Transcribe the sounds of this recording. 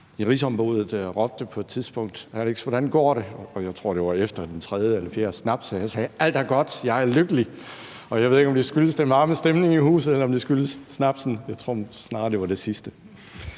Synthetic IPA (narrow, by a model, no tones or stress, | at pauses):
iʁisɒ̽mb̥o̝ð̞ˠð̩ˠʁɒb̥̚d̥əpʰɒ̽e̝d̥t͡sʰiðˠsb̥ɔ̽ŋ̰d̥æleɡ̥sʋɒɾ̥ænɡ̥ɒ̰ːɾ̥e̝ɒ̽jɑ̈ɪt͡sʰʁo̝ɐ̰d̥e̝ʋɑ̈efd̥ɐd̥ent͡sʰʁɛð̞ˠjəelɐfjeɐsnæb̥sjæsɛːæl̰d̥æɐɡ̥ɒ̽d̥jɑ̈ɪæɐløɡ̥əli | ɒ̽jɑ̈ɪʋe̝ðˠe̝ɡ̥ɒ̽md̥esɡ̥yləsd̥enʋɑ̈ːməsd̥emne̝ŋihṵːsð̩ˠelɐɒ̽md̥esɡ̥yləsːnæb̥sn̩jɑ̈ɪt͡sʰʁo̝ɐ̰snɑ̈ːɐde̝ʋɑ̈d̥e̝sisd̥ə